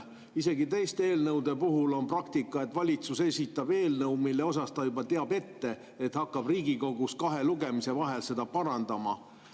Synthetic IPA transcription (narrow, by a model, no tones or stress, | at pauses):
ise̞ɡit̪e̞jst̪e̞ːlnɤwd̪e̞puɦulo̞nprɑkt̪ikːˑɑe̞t̪ːˑvɑlʲit̪suse̞sʲit̪ːˑɑb̥e̞ːlnɤwmilːe̞o̞sɑst̪ɑjubɑt̪eɑbe̞t̪ːe̞ | et̪hɑkːɑb̥riːɡiko̞ɡ̥uskɑɦe̞luɡe̞mise̞vɑɦe̞lse̞d̪ɑpɑɾɑnd̪̥ɑmɑ̰